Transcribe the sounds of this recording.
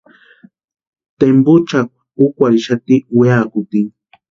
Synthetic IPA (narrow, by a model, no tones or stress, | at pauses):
t̪empʊt͡ʃak̚ | ʊkʷaɾiʃat̪iweakʊt̪iŋ